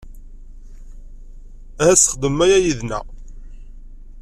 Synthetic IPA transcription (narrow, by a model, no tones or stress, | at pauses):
hæsə̥χd̪əmːæjæjiðnæ̰